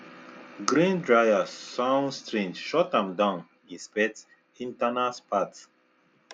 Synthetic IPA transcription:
ɡɾĩndɹajasãnstɹĩmʃɔtãmdãʊ̃n | ĩspɛt | ĩntanaspʰat

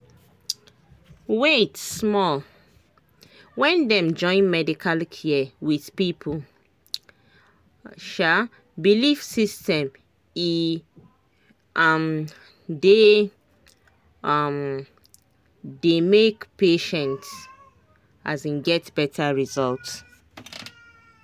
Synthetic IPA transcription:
wetsmɔl | wɛ̃ndɛ̃md͡ʒɔ̃ɪ̃nmɛdikʰalkʰiwið̥pipʰul | ʃa | bilifsistɛ̃m | i | am | de | am | demekpeʃɛ̃nt | azĩnɡɛtb̥ɛtʰaɹizɔlts

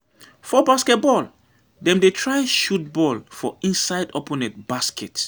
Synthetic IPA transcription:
fɔbaskɛt̚bɔl | dɛ̃mdetʰɹajʃut̚bɔlfɔĩnsaɪdopɔnɛt̚b̥askɛt

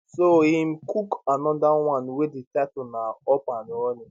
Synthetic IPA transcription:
soim̩kukanɔdaw̃ãnweditatʊnaɔpanɔni

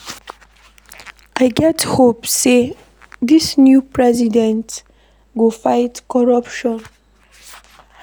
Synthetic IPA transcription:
ʔajɡɛthopse | d̪isnjupʰɹɛzidɛ̃nt | ɡufajtkɔɹapʃɔ̃n

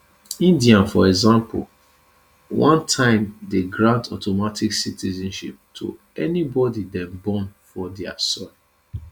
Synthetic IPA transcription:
ĩndiãnfɔɛɡzãmpʊ̰l | wãntʰãɪ̃mdeɡɹãntʰɔtomatiksitizɛ̃nʃip̚tʰo̰ | ɛnibɔdidɛ̃nbɔ̃nfɔdɛasɔ̃n

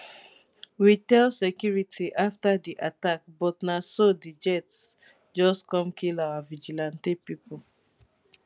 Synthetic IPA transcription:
witɛlsekjuɹitʰiʔaftadiʔatakbɔtnasodid͡ʒɛts | d͡ʒɔskɔ̃mkʰilawavid͡ʒilãntepipol

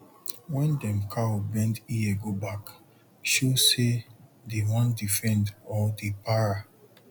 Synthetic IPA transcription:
wɛ̃ndɛ̃mkʰaobɛ̃ndieɡobak | ʃusedewãndifɛ̃ndɔdepaɹa

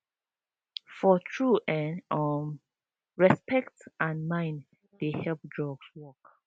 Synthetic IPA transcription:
fɔtʰɹuɛnɔm | ɹɛspɛktʔãnmãɪ̃n | dehɛlp̚dɹɔɡswɔk

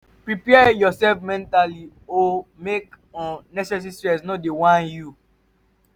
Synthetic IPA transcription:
pɹipɛjɔsɛlfmɛ̃ntali | omek | ɔ̃nɛsɛs̬istɹɛs̬nɔdewãnju

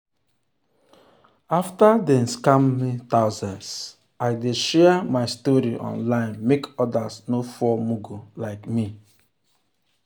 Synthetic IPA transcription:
aftadɛ̃nskãmmitaʊzãns | aɪdeʃɛmaɪstɔɾiʔɔ̰̃nlãɪ̃nmekɔdasnofɔmuɡulaɪkmi

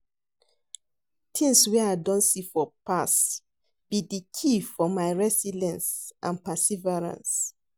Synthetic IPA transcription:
tʰĩŋswɛaɪdɔ̃nsifɔpas | b̥idikʰifɔmaɪɹɛsilɛ̃nsʔã̰npasivɛɹã̰ns

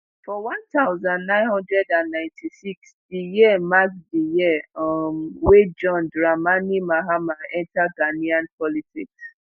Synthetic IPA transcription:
fɔwãntaʊzãnnãɪ̃nhɔ̃ndɹɛdãnːãɪ̃ntʰisiksdijiɛmakdijimwed͡ʒɔ̃ndɹamanimaɦamaɛ̃ntaɡaniãnpɔlitḭks

